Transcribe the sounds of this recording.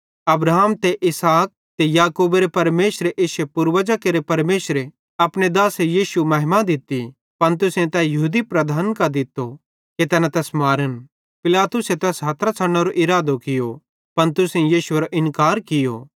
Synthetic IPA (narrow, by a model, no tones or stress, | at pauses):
ɐbɾaːmt̪eʔɪsaːk̚t̪ejaːkuːbeɾepɐɾmeːʃɾeʔeːsepʊɾʋɐd͡ʒakeɾepɐɾmeːʃɾe | ɐpɽ̃ed̪aːsejiːsumɐɦɪmad̪ɪt̪i | pɐnt̪̬ʊsẽt̪ɛjɐɦuːd̪ipɾɐd̪ʱaːnkad̪ɪt̪ːo | ket̪ɛːnãt̪ɛːsmaːɾən | pɪlaːt̪ʊset̪ɛːsɦɐt̪ʰɾat͡sʰɐɽɽ̃eɾoʔɪɾaːd̪okɪjo | pɐnt̪ʊsẽjiːsueɾoʔɪnkaːɾkɪjo̰ː